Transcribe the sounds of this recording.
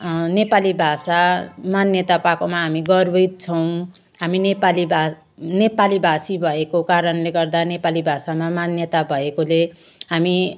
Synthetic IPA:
nepalibʱasamanjʌt̪apakomaɦamiɡʌrbʌjt̪̚t͡sʰʌw̃ | ɦaminepaliba | nepalibʱasibʱʌekokaɾʌnleɡʌrd̪anepalibʱasamamanjʌt̪abʱʌekole | ɦami

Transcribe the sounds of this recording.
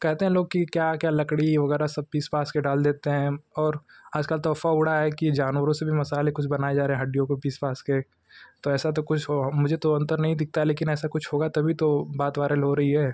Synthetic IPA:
kɛɦt̪eɦɛ̃loːɡ̚kikjaːkjaːlɐkɽiʋɐɣɛːɾasɐb̚piːspaːskeɖaːld̪eːt̪eɦɛ̃ɔːɾaːd͡ʒkaːlt̪ɔːfaʊɽaɦɛkied͡ʒaːnʋəɾõsebʱimɐsaːlekʊt͡ʃʰbɐnaːed͡ʒaːɾeɦɛ̃ɦɐɖijõkopiːspaːske | t̪oɛːsat̪̬okʊt͡ʃʰɦomʊd͡ʒʱet̪oɐ̃nt̪əɾnɐɦĩd̪ɪk̚t̪aɦɛleːkɪnɛːsakʊt͡ʃʰɦoːɡat̪ɐbʱit̪obaːt̪ʋaːɾəlɦoɾɐɦiɦɛː

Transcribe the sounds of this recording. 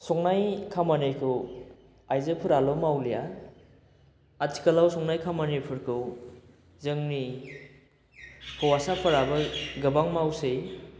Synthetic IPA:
sɔŋnajkʰamanejkʰɯw | ajzɯpʰɯɾalɔmawlija | atʰi̥kalawsɔŋnajkʰamanejpʰɯɾkʰɯw | zɯŋni | kʰɔwasapʰaɾabɐɡɯbaŋmawsej

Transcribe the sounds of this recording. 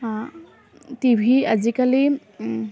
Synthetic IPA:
a | t̪ibʱiəd͡ʒikali

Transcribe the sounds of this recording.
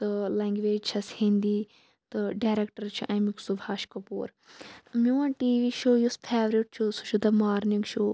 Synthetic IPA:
t̪ɨlɛŋɡʋeːd͡ʒt͡ʃʰɐshĩnd̪iː | t̪ɨɖaːɾekʈɐɾt͡ʃʰuʔɐjmiksubʱaːʃkɐpṵːɾ | t̪ɨmʲuʋãːʈiːʋiːʃoːjuspʰeːʋɾiʈ̚t͡ʃʰusut͡ʃʰud̪ɐmaːɾniŋɡʃoː

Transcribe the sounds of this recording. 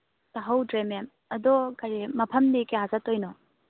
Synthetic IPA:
taɦɐwdɾemem | ɐdɔkʰɐɾimɐpʰɐmdikeɦazatojnɔ

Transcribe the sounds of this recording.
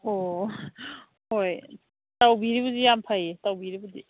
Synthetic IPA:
o | hoj | tawbiɾibuzijampʰajetawbiɾibudi

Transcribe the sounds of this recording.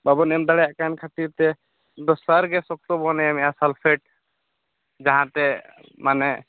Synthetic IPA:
babɔnɛmd̪aɽɛjaʔkankʰat̪iɾt̪ɛ | d̪ɔsaɾɡɛsɔk̚t̪ɔbɔnɛjamɛjasalpʰɛʈ̚ | d͡ʒaɦãt̪ɛ | manɛ

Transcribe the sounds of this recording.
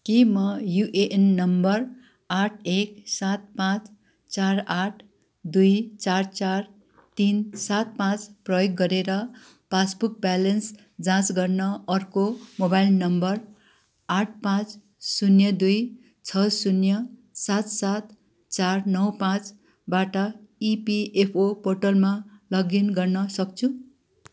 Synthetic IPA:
kimʌjuʔeʔenːʌmbʌr | aʈʰeksat̪̚pãt͡s | t͡saraʈʰ | d̪ujt͡sart͡sar | t̪insat̪̚pãt͡sprʌjoɡːʌɾeɾʌ | pasbuk̚balʌns | d͡zãt͡sɡʌrnʌʌrkomobajlnʌmbʌr | aʈ̚ʰpãt͡s | sunjʌd̪uj | t͡sʰʌsunjʌsat̪sat̪ | t͡sarnʌwpãt͡s | baʈʌipiepʰoporʈʌlmalʌɡinɡʌrnʌsʌk̚t͡sʰu

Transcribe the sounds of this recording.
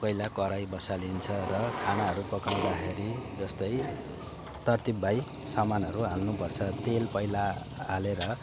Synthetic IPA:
pʌjlakʌɾajbʌsalint͡sʰʌrʌkʰanaɦʌɾupʌkaw̃d̪axeɾid͡zʌst̪ʌj | t̪ʌrt̪ibːaj | samanʌɾuɦalnupʌrt͡sʰʌt̪elpʌjlaː | leɾʌ

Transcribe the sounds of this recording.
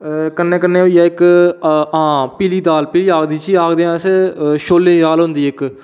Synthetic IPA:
kənːẽːkənːẽːoijaːɪk | ãːpiːliːd̪aːlpiːliːaːkd̪iːt͡ʃiːaːkd̪eːãːseʃoːlːẽd̪aːlɦʊ̃nd̪iːɪk

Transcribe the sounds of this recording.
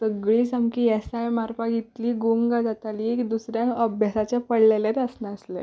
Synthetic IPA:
səɡɭiːsəmkiːesajmaɾpaɡit̪liːɡuŋɡad͡zat̪aliːekd̪usɾjãŋkəbʱjasat͡ɕjapəɽlelet̪əsnaəslḛ

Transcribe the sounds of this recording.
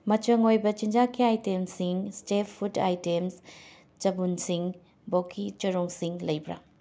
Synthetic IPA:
mɐt͡ʃɐŋojbɐt͡ʃind͡ʒakʰiajtemsiŋstepʰːutajtems | t͡ʃɐbunsiŋ | bokʰit͡ʃɐɾoŋsiŋlɐjbɾɐ̰

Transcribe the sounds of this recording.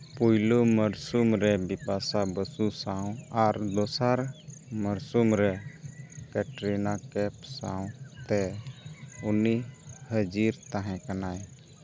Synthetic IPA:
pujloməɾsumɾɛbipasabəsusaw̃aɾd̪ɔsaɾməɾsumɾɛ | kɛʈɾinakɛpsaw̃t̪ɛ | unihəd͡ʒiɾt̪aɦɛ̃kanaj

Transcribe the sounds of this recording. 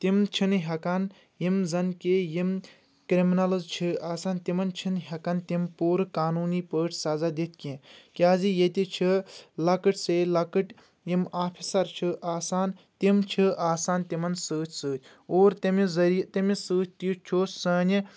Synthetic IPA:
t̪imt͡ʃʰinɦʲɐkɐn | jimzɐnkejim | kɾiminɐlɐzt͡ʃʰiaːsaːnt̪imɐnt͡ʃʰinɦɐkɐnt̪impuːɾɨkaːnuːnipəːʈʰsɐzad̪it̪̚ʰkẽkʲaːzijet̪it͡ʃʰilɐkɨʈʰselɐkɨʈ | jimaːpʰisɐɾt͡ʃʰiʔaːsaːnt̪imt͡ʃʰiʔaːsaːnt̪imɐnsəːt͡ʃʲʰsɨːtʲʰ | oːɾt̪ɐmizɐɾijt̪ɐmisəːt̪̚ʰʲt̪it͡ʃʰoːsəːn

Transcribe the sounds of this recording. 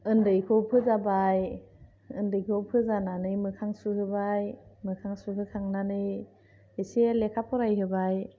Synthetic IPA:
ɯndɯjkʰowpʰɯzabaj | ɯndɯjkʰowpʰɯzananɯjmɯkʰaŋsuhɯbajmɯkʰaŋsuɦɯkʰaŋnanɯj | eselekʰapʰɔɾajɦɯbaj

